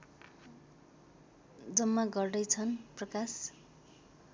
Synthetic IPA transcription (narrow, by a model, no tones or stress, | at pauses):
d͡zʌmːaɡʌrɖʌjt͡sʰʌnprʌkas